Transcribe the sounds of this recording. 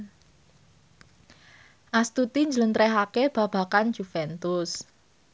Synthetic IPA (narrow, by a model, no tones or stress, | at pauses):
ʔast̪ut̪iɲd͡ʒələnt̪ɾɛɦakeb̥a̤b̥a̤kand͡ʒ̥ufɛnt̪ʊs